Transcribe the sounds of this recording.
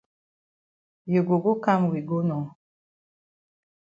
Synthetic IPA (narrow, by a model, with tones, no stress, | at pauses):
jo˨ɡo˨ɡo˦ka˦m˨wi˨ɡo˦nɔ˨